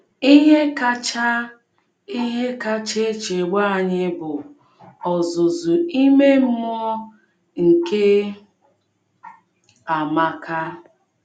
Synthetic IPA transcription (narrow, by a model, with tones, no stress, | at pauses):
i˦ɦe˦ka˦t͡ʃa˦ | i˦ɦe˦ka˦t͡ʃe˦t͡ʃe˨ɡ͡ba˦˨ɲɪ˦bʊ˨ | ɔ˨zʊ˨zʊ˨i˦me˦m̩˦mu˦ɔ˦ | ŋ̩˨ke˦ | a˨ma˨ka˦